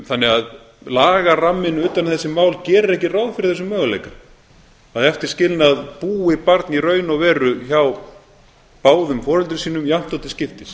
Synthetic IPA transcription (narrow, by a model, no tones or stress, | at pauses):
θanːɪɣað | laːɣaramːɪnʏːt̪anθɛsːɪmaːwlcɛːɾʏɾɛhcɪraːwðfɪɾɪɾθɛs̬ːʏmːœːɣʏlḛjka | aðɛft̪ɪɾ̥scɪlnaðpuːɪpaɾt̪nirœːɥnɔɣvɛːɾʏçaw | paːwðʏmfɔːɾʏlt̪ɾɪsiːnʏmjam̥t̪ɔt̪ɪ̥scɪft̪ɪs